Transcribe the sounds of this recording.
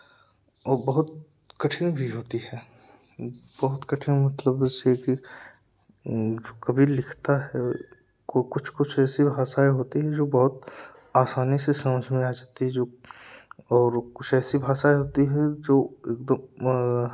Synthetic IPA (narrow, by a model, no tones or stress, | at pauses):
ɔːɾbɐɦʊt̪̚ | kɐʈʰɪ̃ŋbʱiɦoːt̪iɦɛː | bɔɦʊt̪kɐʈʰɪ̃ŋmɐt̪ləbd͡ʒeːseki | d͡ʒoːkɐbʱilɪkʰt̪aɦɛ | kokʊt͡ʃʰkʊt͡ʃʰɛːsibʱaːsaːeɦoːt̪iɦɛd͡ʒoːbɔɦʊt̪ | aːsaːnisesɐməd͡ʒʱmẽaːd͡ʒaːt̪iɦɛd͡ʒoː | ɔːɾkʊt͡ʃʰɛːsibʱaːsaːeɦoːt̪iɦɛd͡ʒoːeːk̚d̪əm